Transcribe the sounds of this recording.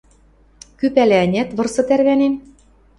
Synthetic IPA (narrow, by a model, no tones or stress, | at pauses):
kypælæɘnʲæt̪βɤ̆rsɤ̆t̪ærβænem